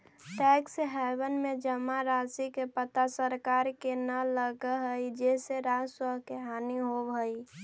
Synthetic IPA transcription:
ʈɛksɦɛbənmed͡ʒəmaɾasikepət̪asəɾkaɾkenələɡəɦəjd͡ʒeseɾasəɦkeɦaniɦobɦəj

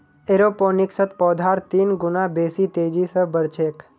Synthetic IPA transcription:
eɾoponiksət̪pɔːd̪ʱaɾt̪iːnɡʊnabesit̪eːd͡ʒisəbəɾt͡ʃʰeːk

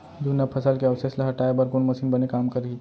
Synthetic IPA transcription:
d̪unɐpʰɐsəlkeɐʋseslaɦɐʈaːebɐɾɡonmɐsiːnbɐnekaːmkɐɾi

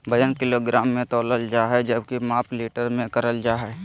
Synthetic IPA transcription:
bəjənkɪloːɡɾaːmːẽt̪ɔːləld͡ʒaːɦɛd͡ʒəb̚kimaːpʰleːʈəɾmẽkəɾəld͡ʒaːɦɛ

